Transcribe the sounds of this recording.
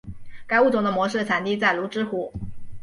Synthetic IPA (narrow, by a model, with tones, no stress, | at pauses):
ka˥ɪu˥˩t͡sʊ˧˥ŋd̪ə˧mwɔ˧˥ʂɻ̩˥˩t͡sʰa˨˩nt̪i˥˧t͡sa˥˩ɪlu˧˥ʈ͡ʂɻ̩˥xu˧˩˦